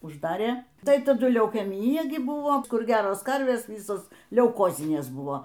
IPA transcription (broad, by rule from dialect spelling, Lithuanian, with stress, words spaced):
ʊʒˈdɑːrʲeː ˈtɐɪ tɐˈdʊ lʲɛʊkʲɛˈmʲiːjɛ ɡʲɪ ˈbʊʋoː ˈkʊr ˈɡʲæːroːs ˈkɐrʲʋʲeːs ˈʋʲiːsoːs lʲɛʊˈkoːzʲɪnʲeːs ˈbʊʋoː